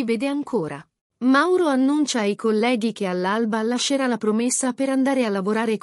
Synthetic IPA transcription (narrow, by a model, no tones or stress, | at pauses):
ivɛːd̪eaŋkʰoːɾa̰ | mawɾoanːunt͡ʃajkolːɛːɡikealːalbalaʃːeɾalapɾomesːapeɾand̪aːɾealːavoɾaːɾek